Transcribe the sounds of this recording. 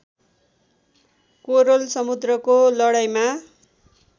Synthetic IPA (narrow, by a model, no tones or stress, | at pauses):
koɾolsʌmud̪rʌkolʌɽajma